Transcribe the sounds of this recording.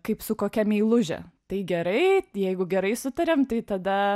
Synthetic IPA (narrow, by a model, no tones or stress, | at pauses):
kɐɪpsʊkoːkʲɛmʲiːlˠʊʒʲɛ̰t̪ɐɪɡʲɛɾɐɪjɛɪɡʊɡʲɛɾɐɪsʊt̪ɐɾʲeːmt̪ɐɪt̪ɐd̪ɐ